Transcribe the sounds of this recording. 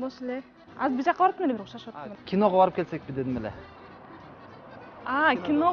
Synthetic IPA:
boselʲe | ɑzbiɾd͡ʒɑqːɑbɑɾt̪ːmelebɾuʃɑʃwat̪ːmkʲʰino̞ʁɑbɑɾɯpkelse̞k̚pid̪e̞d̪imelḛ | akʲino

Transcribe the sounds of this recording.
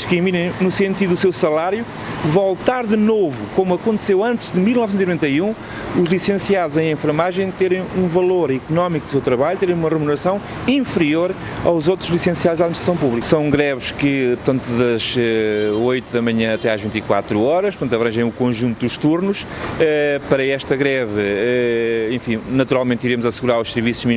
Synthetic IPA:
kiminɐ̃j̃nusẽnt̪iðuusewsɐlˠaɾju | vɔlˠt̪aɾðɨnovukomuɐkõnt̪sewɐ̃nt̪ʒðɨmilˠnɔvsẽt̪inuvẽnt̪ɐiũ | uʒlˠisẽsiaðuzɐ̃j̃ẽfɾmaʒɐ̃j̃t̪eɾɐ̃j̃ũvɐlˠoɾikunɔmikud̪usewt̪ɾɐβaʎut̪eɾɐ̃j̃umɐʁɨmunɨɾɐsɐ̃w̃ | ĩfɾioɾ | a̰wzowt̪ɾuʒlˠisẽsiaðuʒaðminiʃt̪ɾɐsɐ̃w̃puβlˠiksɐ̃w̃ɡɾɛβʃkɨpuɾt̪ɐ̃nt̪uðɐʒɛojt̪uðɐmɐɲɐ̃ɐt̪ɛaʒvĩnt̪ikwa̰t̪ɾuɔɾɐʃpɾt̪ɐ̃nt̪ɐβɾɐ̃ʒɐ̃j̃ukõʒũnt̪ud̪uʃt̪uɾnuʃɛpɐɾɐɛʃt̪ɐɣɾɛvɨɛẽfĩnɐt̪uɾalˠmẽnt̪iɾemuzɐsɣuɾaɾuʃsɨɾvisu̥ʒmi

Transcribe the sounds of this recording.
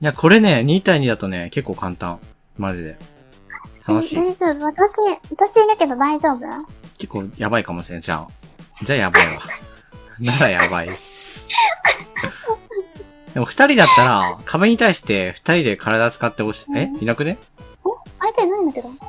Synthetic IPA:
jakʰo̞ɾe̞ne̞ɲ̟iːt̪aiɲ̟id̪at̪o̞ne̞ke̞kːo̞ːkãnt̪ã̰ŋ | maʑid̪e̞̰ | h̪anoɕiiazobɯβat̪aɕiβat̪aɕiiɾɯkebad̪aiʑo̞ːbɯ̟ɾake̞kːo̞ːjabaikamo̞ɕi̥sẽd͡ʑa̰d͡ʑajabaiβa̰ | naɾaja̰ba̰is | d̪̥e̞mo̞ɸɯ̟̥t̪aɾʲid̪at̪ːaɾakʰabɯɲ̟it̪aiɕi̥t̪e̞ɸɯ̟̥t̪aɾʲid̪e̞kʰaɾad̪at͡sɨ̥kat̪ːe̞o̞ɕi̥einakɯ̟ne̞ | eaɾit̪oinɯ̃ĩnd̪ake̞d̪o̞

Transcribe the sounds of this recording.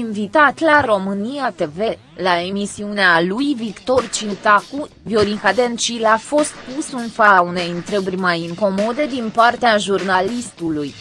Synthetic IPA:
invit̪at̪laro̞mɨniat̪e̞ve̞ | lae̞misiunealujvikt̪o̞rt͡ʃit̪akuvioɾixad̪ent͡ʃilafo̞st̪̚pusɨnfaaune̞jɨnt̪ɾəburʲmajɨŋko̞mo̞d̪e̞d̪inpart̪eaʒurnalist̪uluj

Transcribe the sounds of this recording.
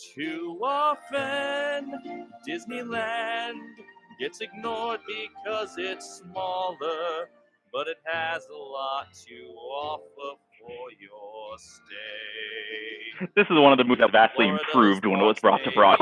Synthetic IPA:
tʰʉɔfɨnd̥ɪznilæ̃nɡɛtsɨɡ̚nɔɹd̚bɨkʰʌzɪtsmɔlˠə˞ | b̥ʌɾɨt̚hɨzəlɔtʰɨɔfə˞f | ə˞jəste | ðɪsɨzwʌ̃ñʌvðəmuðəvæstˡliɨ̃mpʰɹ̥ʉvd̚wʌ̃nʌvwʌtsb̥ɹɔ̰tʰɨbɹɔ̰

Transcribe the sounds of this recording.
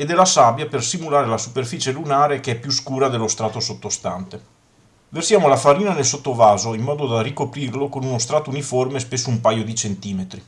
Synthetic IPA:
ed̪ɛlasabjapersimulaːɾelasuperfiːt͡ʃelunaːɾekeɛpːjuskuːɾad̪elːost̪ɾaːt̪osot̪ːost̪a̰nt̪e | versjaːmolafaɾiːnanelsot̪ːovaːzoimːɔːd̪od̪arikopɾirlokonunost̪ɾaːt̪ouniformespesːoumpajod̪it͡ʃent̪iːmet̪ɾi

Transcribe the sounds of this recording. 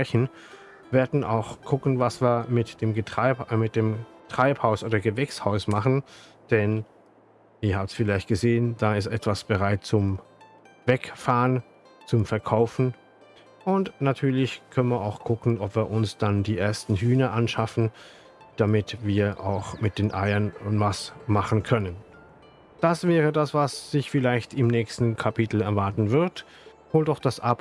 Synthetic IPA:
pʁ̥ɛçn̩ | veːɐdn̩ʔa̰ʊxkʰʊkn̩vasv̥iːɐmɪtd̥eːmɡəmɪt̚d̥eːmtʁ̥aɪphaʊsʔoːdɐɡəvɛkshaʊsmaχn̩ | d̥ɛn | ʔɪːɐhaːbəsfɪlaɪçt̚ɡ̥əzeːənd̥aːɪs̬tʔɛtv̥asb̥əʁaɪt̚t͡sʊm | vɛkfaːʁən | t͡sʊmfɛɐkʰaʊfn̩ | ʔʊntnatʰyːɐlɪçkʰœnnvːɐaʊxkʰʊkn̩ɔpv̥iːɐʔʊnsd̥andiːʔeːɐstn̩ɦyːnəʔanʃafn̩ | d̥amɪtviːɐʔa̰ʊxmɪt̚d̥eːnʔa̰ɪɐnvasmaχn̩kʰœnən | d̥asv̥ɛːʁədasv̥asz̥ɪçfɪlaɪçtɪmnɛːçstn̩kʰapʰitl̩ɛɐvaɐtn̩vɪɐt | hoːldɔxd̥asʔap

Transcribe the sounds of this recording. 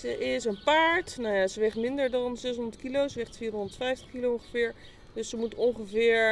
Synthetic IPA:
zəʔɪsənpaːɹtnawjaːsəʋɪχtmɪndəɹdɑnzɛs̬ɦɔndəɹtkilowsəʋɛχtfiːrɦɔ̃ndəɹtfɛjftə̥χkilowɔŋχəvɪːɹ | dɵsəmutɔŋχəvɪːɹ

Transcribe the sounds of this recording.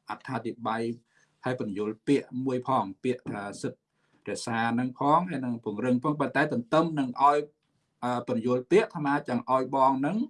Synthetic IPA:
ʔat̪ʰːaːt̪ʰiɓaj | haəjpʊ̆ənjʊŭəlpiəʔmuəjpʰɑːŋpiəʔt̪ʰaːsɨt̪̚ | rɛ̆əʔsaːnɨŋpʰɑːŋhajnɨŋpŭəŋrɨŋpʰɑːŋpənt̪aɛt̪ɨnt̪ɨmnɨŋʔaɔj | ʔəːpʊ̆njŭəlpiəʔt̪ʰamaːt͡ɕaːŋʔaɔjɓɑːŋnɨŋ

